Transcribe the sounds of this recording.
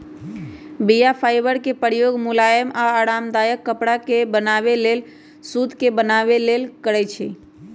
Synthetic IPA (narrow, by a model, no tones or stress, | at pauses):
bijapʰajbəɾkepəɾjoɡmulajəmaaːɽamd̪ajəkːəpɽakebənabelel | sud̪ʱkebənaβelelkəɾɛt͡ʃʰɛ̰